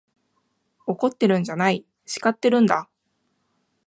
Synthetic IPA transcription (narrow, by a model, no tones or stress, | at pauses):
o̞ko̞t̪ːe̞ɾɯ̟̃ɲ̟d͡ʑanai | ɕi̥kat̪ːe̞ɾɯ̟̃nd̪a